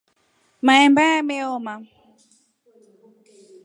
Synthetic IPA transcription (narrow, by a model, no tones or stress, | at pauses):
maɛmbaameɔma